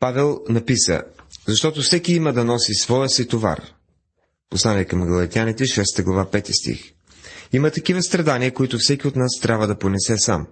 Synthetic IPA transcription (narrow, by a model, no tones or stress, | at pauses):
pavɛlˠnɐpisə̰zɐʃt̪ɔt̪ofsɛkiiməd̪ɐnɔsisvɔɛsit̪ova̰r | poslˠaniɛkɐmɡɐlˠɐt̪ianit̪ɛʃɛst̪əɡlˠɐvapɛt̪ist̪ḭx | imət̪ɐkivəst̪ɾɐd̪aniəkoit̪ʊfsɛkʲiot̪nast̪ɾʲabvəd̪ɐponɛsɛsa̰m